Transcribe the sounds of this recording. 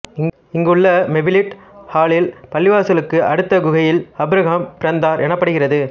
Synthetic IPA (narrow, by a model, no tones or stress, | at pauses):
ɪŋɡɯɭːɐmɛbɪlɪʈ | haːɭɪlpɐlːɪʋaːsɐlɯkːɯʔɐɽɯt̪ːɐɡʊɣɐjɪlɐbɪɾɐɣampɪɾɐnd̪aːɾʔɛnɐpːɐɽɯɣɪrɐðɯ